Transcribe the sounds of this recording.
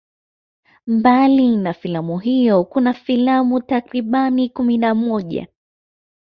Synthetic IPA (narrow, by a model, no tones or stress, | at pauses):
mbalinafilamuɦijɔkunafilamutakɾiɓanikuminamɔʄa̰